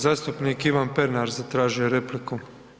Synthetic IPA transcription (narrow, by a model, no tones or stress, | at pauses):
zaːst̪upnikiʋanpeɾnaɾzat̪ɾaːʒijeɾepliku